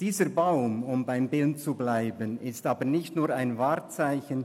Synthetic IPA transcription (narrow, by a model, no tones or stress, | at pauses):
d̥iːzəbaʊmʊmbaɪmbɪlt͡sublaɪbənɪstaːbənɪçtnuːɾaɪnvaːɾt͡saɪçən